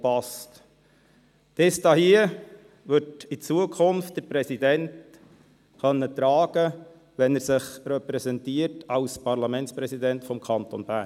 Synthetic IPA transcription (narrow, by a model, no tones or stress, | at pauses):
pɑst | tɪst̪ɑhiə | ʋɵtit͡suəkʰʊnft̚d̥əɾpɾɛsidɛnt | χœnːət̪ɾɑːɡ̥ə | ʋɛnæɾsɪχɾɛpɾɛsɛntiətɑʊspɑɾlɑmɛntspɾɛsidɛntfɔmkʰɑnt̪ɔnb̥æː